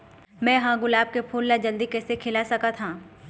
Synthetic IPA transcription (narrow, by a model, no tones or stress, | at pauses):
mɛ̃ːɦãːɡʊlaːb̚kepʰoːlːad͡ʒɐld̪ikɛːsekʰɪlasɐkat̪ʰãː